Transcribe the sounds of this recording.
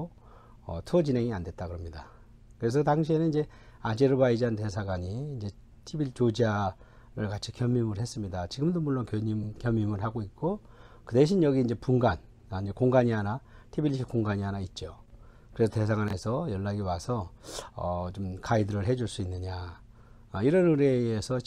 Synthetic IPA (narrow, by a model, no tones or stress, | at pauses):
ʌ̰tʰut͡ɕinɦe̞ŋiandwe̞t͈̚aɡɯɾʌmɲida | kɯɾe̞s̬ʰʌtaŋɕ̬ʰienɯniɲd͡ʑe̞ | ad͡ʑeɾɯbaid͡ʑante̞sʰaɡwaɲiind͡ʑe̞ | tʰibit͡ɕod͡ʑa | ɾɯɭkat͡ɕʰikjʌmːimɯɾhe̞s͈ɯmɲidat͡ɕiɡɯmdomuɭːonkjoɲimkjʌmːimɯɭɦaɡoit̚k͈o | kɯde̞ɕ̬ʰinjʌɡiːind͡ʑe̞puŋɡan | aind͡ʑe̞koŋɡaɲiɦanatʰibilːiɕʰik͈oŋɡaɲiɦanait̚t͡ɕ͈o | kɯɾesʰʌte̞sʰaɡwane̞sʰʌjʌɭːaɡiwasʰʌʌ̰t͡ɕomkʰaidɯɾɯɭɦe̞d͡ʑuɭs͈uinːɯɲa | ʌiɾʌnɯɾeːsʰʌ